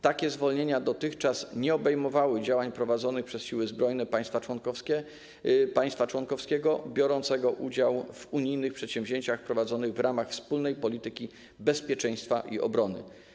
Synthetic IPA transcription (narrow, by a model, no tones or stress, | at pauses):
t̪akʲɛzvɔlɲeɲad̪ɔt̪ɘxt͡ʂasɲɛɔbɛjmɔvawɘd͡ʑawaɲpɾɔvad̪zɔnɘxpʂɛsɕiwɘzbɾɔjnɛpaj̃st̪fawɔnkɔskʲɛ | paj̃st̪fat͡ʂwɔnkɔfskʲɛɡɔbʲjɔɾɔnt̪sɛɡɔʔud͡ʑawvuɲijnɘxpʂɛt̪ɕɛ̃vʑeɲt͡ɕaxpɾɔvad̪zɔnɘɣvɾamaxfspulnɛjpɔlʲit̪ɘkʲi | bɛspʲjɛt͡ʂɛj̃st̪fa̰ʔḭʔɔ̰bɾɔnɘ̰